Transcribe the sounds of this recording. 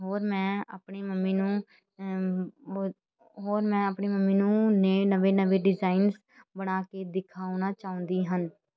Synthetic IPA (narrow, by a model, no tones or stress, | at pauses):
ɦoːɾmɛ̃ːa̰ːpɳeːməmːiːnũː | ɦoːɾmɛ̃ːəpɳeːməmːĩːnũːneːnəʋeːnəʋeːɖɪzaːins | bəɽ̃aːkeːd̪ɪkʰaːunaːt͡ʃaːʊ̃ːnd̪iːɦən